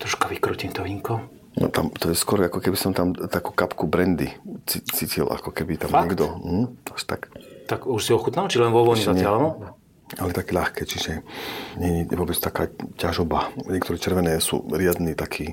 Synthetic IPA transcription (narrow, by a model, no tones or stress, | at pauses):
t̪ɾɔʃkaʋikɾɔcimt̪ɔʋiŋkɔ | nɔ̰t̪amt̪ɔjɛskɔɾakɔkɛbisɔmt̪amt̪akukapkubɾɛnd̪it͡sit͡siːcilʔa̰kɔkɛbit̪amɲɛɡd̪ɔɦ̩aʃt̪akt̪aɡuʃsiɔxut̪nalt͡ʃiʒlɛnʋɔʋɔɲɛzaɲalnɔ | alɛt̪akɛːʎaxkɛːt͡ʃiʒɛɲɛɲɛʋɔbɛt͡st̪akaːcaʒɔbaɲɛkt̪ɔɾɛːt͡ʃɛɾʋɛnɛːsṵːɾɪad̪niːt̪akʰiː